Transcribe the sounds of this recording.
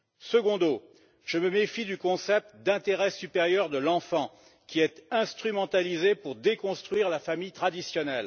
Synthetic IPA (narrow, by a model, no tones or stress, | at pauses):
səɡɔ̃d̪o | ʒ̥əməmefid̪ykɔ̃sɛp̚t̪d̪ɛ̃t̪eʁɛsypeʁjœʁd̪əlɑ̃fɑ̃ | kʲiɛt̪ɛ̃st̪χymɑ̃t̪alizepuʁd̪ekɔ̃st̪χɥiʁlafamijt̪χad̪isjɔnɛl